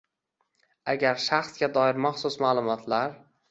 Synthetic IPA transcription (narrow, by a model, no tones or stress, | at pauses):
aɡʲaɾʃaχsɡʲad̪ɒɪɾmaχsʊsmalˠʊmɒt̪ʰlaɾ